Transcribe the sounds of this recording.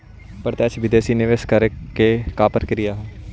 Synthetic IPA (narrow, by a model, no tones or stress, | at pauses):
pəɾt̪ɛːt͡ʃʰʋɪd̪eːsiːneʋɪskəɾkeːkaːpəɾkəɾɪjaːɦ